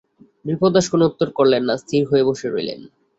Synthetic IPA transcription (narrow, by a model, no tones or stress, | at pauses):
dɾipod̪aʃkonout̪ːoɾkoɾlenːast̪ʰiɾɦoeboʃeɾojlḛn